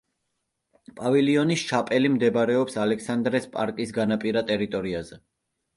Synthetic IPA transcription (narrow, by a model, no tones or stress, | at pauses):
pʼavɛliɔnisʃapʼɛlimd̪ɛbaɾɛɔpsalɛksand̪ɾɛspʼa̰ɾkʼisɡanapʼiɾat̪ʼɛɾit̪ʼɔɾiazɛ